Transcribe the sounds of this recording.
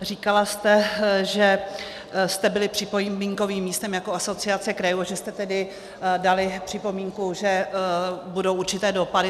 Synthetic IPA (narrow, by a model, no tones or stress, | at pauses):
riːkalast̪ɛʒɛ | st̪ɛbɪlɪpr̝̥ɪpomiŋko̞viːmːiːst̪ɛmjako̞ʔaso̞t͡sɪat͡sɛkɾajuaʒɛst̪ɛt̪ɛdɪ | dalɪpr̥ɪpo̞miːŋkuʒɛ | budo̞wʔuɾt͡ʃɪt̪ɛːdopadɪ